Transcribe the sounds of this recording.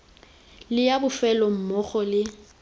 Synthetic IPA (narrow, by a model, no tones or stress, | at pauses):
lɪjabʊfɛlɔm̩mɔχɔlɪ